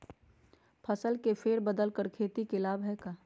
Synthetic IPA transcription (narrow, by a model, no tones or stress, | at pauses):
pʰəsəlkepʰeːɾbəd̪əlkəɾkʰeːt̪ikelaːbɦɛkaː